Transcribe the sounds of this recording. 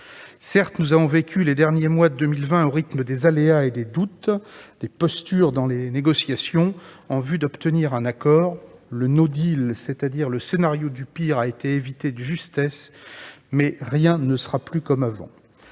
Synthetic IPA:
sɛʁt̪nuzavɔ̃vekʲyled̪ɛʁnjemwad̪əd̪əmilvɛ̃oʁit̪məd̪ezaleaed̪ed̪ut̪d̪̥epɔst̪yʁd̪ɑ̃leneɡɔsjasjɔ̃ | ɑ̃vyd̪ɔpt̪əniʁɛ̃nakɔːʁlənod̪ilset̪ad̪iʁləsenaʁjod̪ypiʁaet̪eevit̪ed̪əʒyst̪ɛs | mɛʁjɛ̃nəsə̥ʁaplykɔmavɑ̰̃

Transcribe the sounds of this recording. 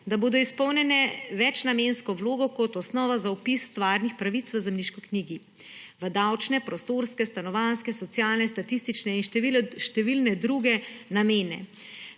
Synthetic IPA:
d̪aboːd̪ɔispɔwnʲjɛnɛʋɛt͡ʃnameːnskɔwloːɡɔkɔt̪ɔsnɔːʋazaupist̪ʋaːɾnixpɾaʋit̪sʋəzɛmniʃkɔkniːɡi | ʋəd̪awt͡ʃnɛpɾɔst̪oɾskɛst̪anɔʋanskɛsɔt̪sijaːlnɛst̪at̪ist̪it͡ʃnɛinʃʃt̪ɛʋilnɛd̪ɾuɡɛnameːnɛ̰

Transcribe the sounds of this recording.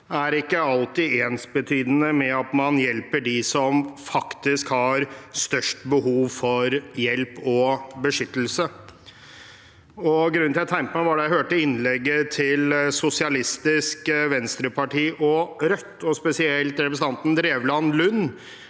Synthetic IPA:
æɾɪkːəɑlt̪ɪeːnsbət̪ʰyːd̪ənəmɛɑt̪mɑnjɛlpəɖisɔmfɑkt̪ɪskhɑɾst̪œʂʈbəhuːʋfɔɾjɛlpɔbəʂʏt̪ːəl̩sə | ɔɡɾʉnːɪlt̪ʰæɪmpəmæʋɑɖɛjæhøːʈəɪnlɛɡːət̪ʰɪlsʊsɪɑlɪst̪ɪskʋɛnst̪ɾəpʰɑʈʰiːʔɔɾœt̪ːɔspɛsɪɛlt̪ɾɛpɾsəɑnt̪n̩d̪ɾeːʋlɑnlʉnː

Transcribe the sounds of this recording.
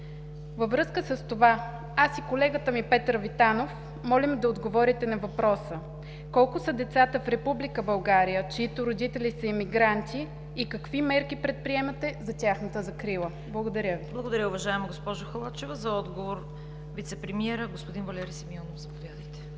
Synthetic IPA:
vəvɾɤskəsəst̪ova | asikolɛɡət̪əmipɛt̪ɾvit̪anof | mɔlʲɛmd̪ɐod̪ɡovɔɾit̪ɛnɐvɐpɾɔsə | kɔlˠkʊsəd̪ɛt̪sat̪əfɾɛpublikəbɐlˠɡaɾijət͡ʃɛit̪ʊɾod̪it̪ɛlisəimiɡɾant̪ʲiː | kɐkvimɛɾk̟ipɾɛt̪̚pɾiɛmɐt̪ɛzɐt̪ʲaxnət̪əzɐkɾilˠə | blˠɐɡod̪ɐɾʲəviblˠɐɡod̪ɐɾʲəʊvɐʒaɛmɐɡospɔʒʊxɐlˠat͡ʃɛvəzɐɔd̪ɡovoɾ | vʲit̪sɛpɾɛmiɛɾəɡospod̪invɐlʲɛɾisimiɔnofzɐpovʲjad̪əjt̪ɛ̥

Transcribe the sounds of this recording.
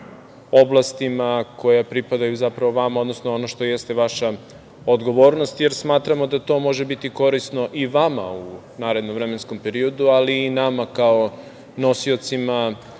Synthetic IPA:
o̞blˠast̪imako̞japɾipad̪ajuzapɾaʋoʋamaod̪nosnoonoʃt̪o̞jest̪e̞ʋaʃa | od̪ɡo̞ʋo̞ːɾnost̪je̞ɾsmaːt̪ɾamo̞d̪at̪o̞ːmo̞ʒe̞bit̪iko̞ɾisno̞ʔiʋama̰u | naːɾe̞d̪noʋvɾeme̞nsko̞mpe̞ɾio̞d̪ualiːnamakao | no̞sio̞t̪sima

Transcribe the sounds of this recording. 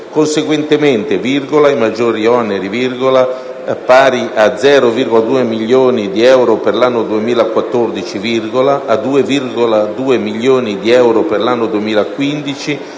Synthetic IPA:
konseɡwent̪ement̪evirɡolaimad͡ʒːoːɾiɔneɾivirɡola | paːɾiʔad̪zɛːɾovirɡolad̪uːemiʎjoːnid̪iɛwɾoperlanːod̪uemiːlakwat̪ːord̪it͡ʃivirɡolaʔːd̪uːevirɡolad̪uːemiʎːjoːnid̪iɛwɾoperlanːod̪uemiːlakːwind̪it͡ʃi

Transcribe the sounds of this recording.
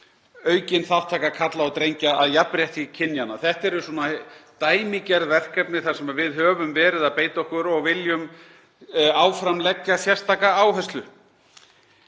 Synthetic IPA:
œːɥcɪnθaw̥t̪ʰaːkakʰat̪laɔwt̪ɾejɲcaaðjapːɾjɛht̪icʰɪnːjanaθɛht̪ɛɾʏsuːnat̪aːjmicɛɾðvɛr̥kɛpnɪθḁsɛmavɪðhœːvʏmvɛːɾɪðaðpeːjt̪ɔhkʏɾɔɣvɪljʏm | aːwfɾamlɛcːasjɛr̥st̪aːkaaːwɦɛst̪lʏ

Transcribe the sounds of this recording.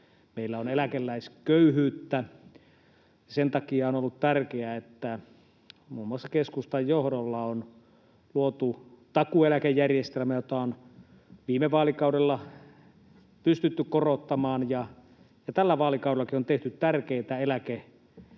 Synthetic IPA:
meˑilːæonelækelːæiskøyhyːt̪ːæ | ɑsent̪ɑkiɑonolːut̪t̪ærkeæet̪ːæ | muːmːuɑsːɑkeskust̪ɑjjohdolːɑon | luot̪ut̪ɑkuelækejːærjest̪elmæjot̪ɑon | ʋiːmeʋɑːlikɑˑudelːɑ | pyst̪yt̪ːykkorot̪ːɑmɑːnjɑ | jɑt̪ælːæʋɑːlikɑˑuɾelːɑkiont̪eht̪yt̪t̪ærkeit̪æelæke

